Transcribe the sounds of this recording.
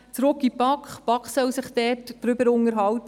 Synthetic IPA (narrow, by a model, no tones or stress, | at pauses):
t͡sɾʊkipɑkχpɑkχsœwsɪχd̥ɛːtd̥ɾʏbəɾʊŋəɾɦɑwt